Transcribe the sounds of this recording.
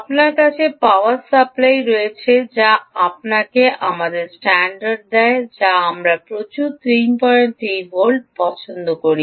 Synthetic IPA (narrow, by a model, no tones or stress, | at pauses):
pnaɾkat͡ɕʰepawaɾsaplajɾojet͡ɕʰed͡ʑaap̚nakeʔamad̪eɾsʈɛɳɖaɾɖ̚d̪ɛed͡ʑaamɾapɾot͡ɕut̪ɾimpɔɾent̪ejbʱolɖ̚pɔt͡ɕʰond̪okoɾi